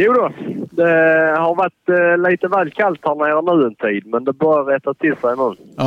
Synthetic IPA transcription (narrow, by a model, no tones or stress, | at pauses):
juːd̪od̪ɛhɑɾvaʈliːt̪əvæːlkʰalt̪hæɾɳeːɾənʉ̟ːɛnt̪ʰiːd̪mɛnd̪ɛbœɾaɾɛt̪at̪ʰɪlsæɪnʉ̟ːn